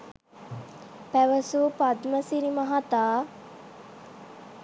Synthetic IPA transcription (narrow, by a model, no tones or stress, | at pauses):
pæʋəsupad̪məsiɾimaɦat̪aː